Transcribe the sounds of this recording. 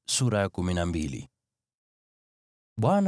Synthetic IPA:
suɾajakuminambilḭ | ɓwan

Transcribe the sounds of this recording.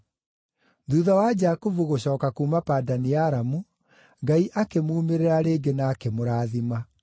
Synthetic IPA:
ðuðawad͡ʑaːkuvuɣoɕɔːkakuːmapaːdaniaɾamu | ŋɡaiʔakemuːmeɾeɾaɾeːɡenaːkemoɾaːðima

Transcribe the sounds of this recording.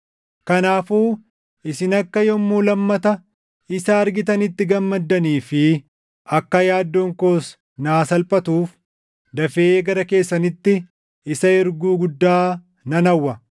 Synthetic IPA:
kɐnaːfuː | ɪsɪnɐkːɐjɔmːuːlɐmːɐt̪ɐ | ɪsɐːɾɡɪt̪ɐnɪt̪ːɪɡɐmːɐd̪ːɐniːfɪ | ʔɐkːɐjaːd̪ːoːŋko̞ːs | naːsɐlpʼɐt̪uːf | d̪ɐfeeːɡɐɾɐke̞ːsːɐnɪt̪ːɪ | ɪsɐɪɾɡuːɡʊd̪ːaː | nɐnɐwːɐ

